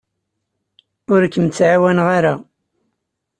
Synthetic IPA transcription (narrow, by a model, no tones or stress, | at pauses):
ʊɾkːəmt͡sːʕawænʁaɾa